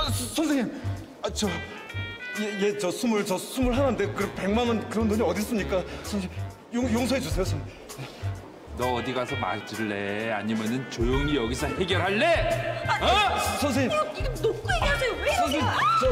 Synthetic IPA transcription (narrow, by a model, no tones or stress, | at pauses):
sʰʌnsʰeŋɲim | t͡ɕʌ | et͡ɕʌsʰumuɭt͡ɕʌsʰumuɭɦanɯnde̞kɯɾʌpe̞ŋmanʌnkɯɾʌndoɲiʌdis͈ɯmɲik͈asʰʌnsʰeŋ | joŋjoŋsʰʌɦed͡ʑusʰe̞josʰʌnmuɭ | nʌːdiɡasʰʌma̰d͡ʑiɭːeaɲimjʌnɯnt͡ɕojoŋijʌɡisʰʌheɡʲjʌɾɦaɭːe | sʰʌns̬ʰeŋɲinokʰasesʰʌnsʰeɲi